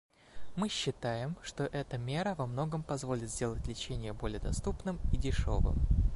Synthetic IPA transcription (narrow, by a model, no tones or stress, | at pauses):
mɨɕːɪt̪ajɪmʂt̪o̞ʔɛt̪əmʲe̞ɾəvɐmno̞ɡəmpɐzvo̞lʲɪt̪zʲdʲe̞lˠətʲlʲɪt͡ɕenʲɪjəbo̞lʲɪjəd̪ɐst̪upnɨmidʲɪʂo̞̰vɨ̰m